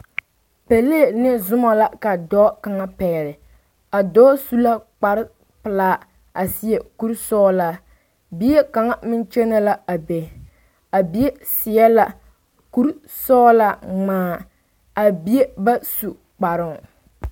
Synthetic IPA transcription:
pe˨leː˦˨nɪ˦zʊ˦ma˨la˦ka˨dɔː˦ka˨ŋa˦pɛ˨ɾɪ˨ | a˨dɔː˦su˦la˦k͡pa˨ɾɪ˦ | pɨ˨laː˦ | a˨si˦ɛ˨ku˦ɾsɔː˦la˦ | bi˦e˦ka˨ŋa˦mɪ˦nt͡ʃɛ˦na˦la˦a˨be˨ | a˨bi˨˦e˦sɪ˨jɛ˦la̰˨ | ku˦ɾ | sɔː˦la˦ŋ͡maː˦ | a˨bi˦e˦ba˦su˨ | k͡pa˨ɾɪ˦ŋ˨

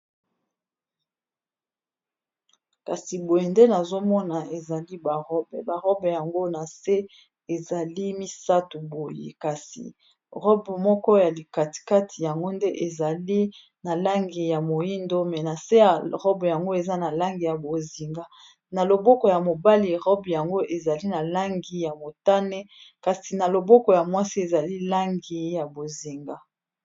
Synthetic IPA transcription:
ka˨si˨bo˨je˨nde˦na˨zo˦mɔ˦na˨e˨za˨li˦ba˨ʁɔ˦bɛ˨ba˨ʁɔ˦bɛ˨ja˨ŋɡo˦na˨se˦ | e˨za˨li˦mi˦sa˦tu˨bo˨jḛ˨ka˨sḭ˨ | ʁɔ˦bmɔ˦kɔ˦ja˨li˨ka˨ti̥˨ka˦tʰi˨ja˨ŋɡo˦nde˦ʔe˨za˨li˦ | na˨la˦ŋɡi˨ja˨mo˨i˦ndo˦mɛ˨na˨se˦ja˨ʁɔ˦bja˨ŋɡo˦e˨za˦na˨la˦ŋɡi˨ja˨bo˨zi˨ŋɡa˦ | na˨lo˨bɔ˦kɔ˨ja˨mo˨ba˦li˨ʁɔ˦bja˨ŋɡo˦ʔe˨za˨li˦na˨la˦ŋɡi˨ja˨mo˨ta˦nɛ˦ka˨si˨na˨lo˨bɔ˦kɔ˨ja˨mwa˦si˦e˨za˨li˦la˦ŋɡi˨ja˨bo˨zi˨ŋɡa˦

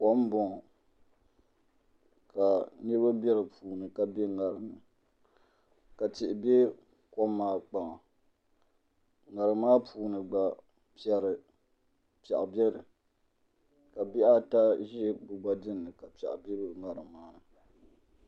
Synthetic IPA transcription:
kɔ˦m˦bɔ˦˨ | ka˨nɨ˦ɾɨ˦ba˦bɛ˦ɾɨ˨pʰuː˨nɨ˨ka˦be˦ŋa˨ɾɨ˨mɨ˨ | ka˨tɪ˨ʔɪ˨be˦ | kɔ˦mːaː˦k͡pa˨ | ŋa˨ɾɨ˨maː˦pʰuː˨˦nɨ˨ɡ͡ba˦ | pjɛ˨ɾɨ˨ | pɛ̰˨ʔa˨bɛ˦ɾɨ˨ | ka˨bi˦ʔa˦ta˦ʒɛ˦bʊ˨ba˦dɨ˦nːɨ˨ka˨pɛ̰˨ʔbɛ˦ɾɨ˦˨ŋa˨ɾɨ˨maː˦nɨ˨

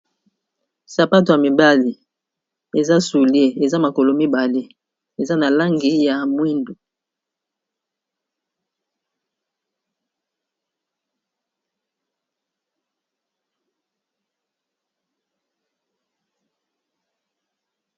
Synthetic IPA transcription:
sa˨pa˦t̬o˨ja˨mi˨ba˦li˨ | e˨za˦su˨li˦e˦e˨za˦ma˨ko˨lo˨mi˦ba˨le˦ | e˨za˦na˨la˦ŋɡi˨ja˨mwi˦ndo˨

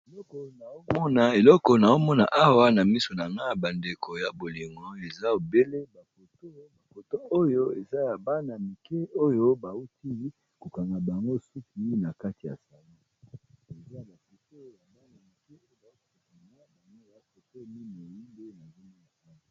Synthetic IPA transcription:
e˨lɔ˦kɔ˨na˨o˦mɔ˦na˨e˨lɔ˦kɔ˨na˨o˦mɔ˦na̰˨ʔa˦wa˦na˨mi˦so˨na˨ŋɡa˦˨ba˨nde˨kʰo˨ja˨bo˨li˨ŋɡɔ˨e˨za˦o˨be˦le˦ba˨ko˨to˦ba˨po˨to˦ʔo˦jo˦e˨za˦ja˨ba˦na˨mi˨ke˦o˦jo˦ba˨u˦tʰi˦ | ko˨ka˨ŋɡa˨ba˨ŋɡo˦su˦ki˦na˨ka˦ti˨ja̰˨sa˨lo˦e˨za˦a˨ba˨ko˨to˦ja˨ba˦ni˨mi˨ke˦o˦jo˦˨a˨ŋa˦na˨ŋo˦ja˨po˨to˦mi˦n˨o˨ji˦nbe˦na˨mi˦ni˦˨a˦˨˦

